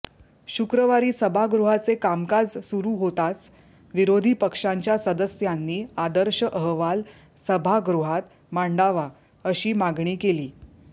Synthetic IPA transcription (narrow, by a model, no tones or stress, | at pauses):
ɕukɾəʋaɾiːsəbʱaɡɾuɦat͡sekamkad͡zsuɾuːɦot̪at͡s | ʋiɾod̪ʱiːpəkʂaɲt͡ɕjasəd̪əsjanːiːad̪əɾɕəʔəɦʋal | səbʱaɡɾuɦat̪ | maɳɖaʋa | əɕiːmaɡɳiːkeliː